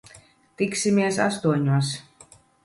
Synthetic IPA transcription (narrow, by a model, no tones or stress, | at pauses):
t̪iksimiɛsa̰st̪uɔɲuɔs